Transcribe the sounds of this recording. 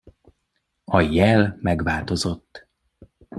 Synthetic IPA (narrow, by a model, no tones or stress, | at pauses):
ɒjɛlmɛɡvaːlt̪o̞zo̞t̪ː